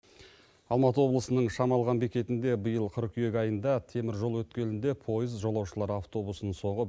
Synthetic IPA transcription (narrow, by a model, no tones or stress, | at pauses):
ɑlˠmɑt̪əwo̞blˠəsənəɴʃɑmɑlˠʁɑnbikʲe̞t̪ɪnd̪e̞bəjəlˠqʰəɾkʲʰʏje̞kʲɑjənd̪ɑt̪ʰe̞mɪɾʒo̞lˠwɵt̪kʲe̞nɪnd̪e̞pʰo̞jəzʒo̞lˠɑwʃəlˠɑɾɑft̪o̞busənəɴso̞ɴʁə